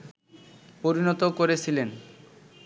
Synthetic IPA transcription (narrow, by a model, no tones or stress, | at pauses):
poɾinɔt̪okoɾet͡ɕʰilen